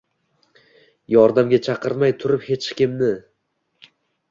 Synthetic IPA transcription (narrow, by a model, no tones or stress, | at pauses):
jɒɾd̪amɡʲat͡ʃʰɑqɨɾmajt̪ʰʊɾɪphe̞t͡ʃkʲɪmnɪ